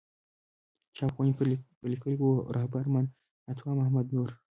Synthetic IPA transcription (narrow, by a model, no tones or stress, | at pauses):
t͡ʃapɣunipəlikəliɡoɾʔahbaɾman | at̪ʰwamahmad̪nuɾ